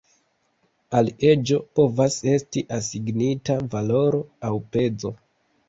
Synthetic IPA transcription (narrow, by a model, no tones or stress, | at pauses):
alie̞d͡ʒo̞po̞vase̞stiʔasiɡnitavalo̞ɾo̞awpe̞d͡zo̞